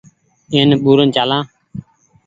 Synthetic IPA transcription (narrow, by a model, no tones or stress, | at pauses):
eːnɓuːɾənt͡ʃaːlãː